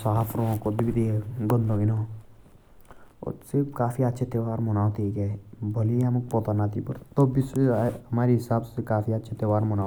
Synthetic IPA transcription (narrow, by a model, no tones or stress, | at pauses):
saːpʰɾõkod̪ibid̪eːɡənd̪õɡinõ | o̰sɪɾpkaːfiətːʃʰet̪eʋaːɾmʊnaːt̪ikɛːbʱɐliɐmkpot̪anat̪ʰipə̰ɾt̪obɪsɐmaːɾiɦɪsaːbsekaːfiətːʃʰet̪eʋaːɾmʊnaː